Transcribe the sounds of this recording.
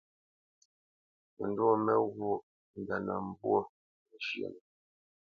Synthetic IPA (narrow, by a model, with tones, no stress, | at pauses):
mə˨ndu˦mɛ˦ɣu˦ | n̩˨da˨na˨m̩˦˨bwo˦˨ | ʃjḛ˨nə˨